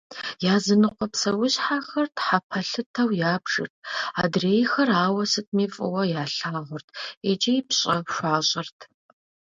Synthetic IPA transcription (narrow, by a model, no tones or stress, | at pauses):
jaːzɨnɨqʷɔpsɐwʊɕħaːxɐrtħapʰɐɬɨtʰɐwjaːbʐɨ̰rt̚ʰaːdreːjxɐraːwɐsɨt̚ʰmiːfʼɨ̰wɐjaːɬaːʁʷʊrtʰed͡ʒɐjɪpɕʼɐpʃʷaːɕʼɪrtʰ